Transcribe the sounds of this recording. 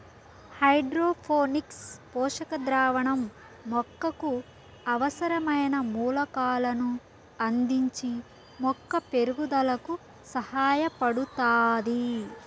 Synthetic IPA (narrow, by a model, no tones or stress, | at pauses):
hɐjɖɾoːpʰoːnikspɔːʂɐkɐd̪ɾaːʋɐɳɐmː | ɔkːɐku | ɐʋɐsɐɾɐmɐjnɐmuːlɐkaːlɐnu | ɐnd̪iɲt͡ʃi | mɔkːɐpe̞ɾuɡud̪ɐlɐku | sɐhaːjɐpɐɽut̪aːd̪i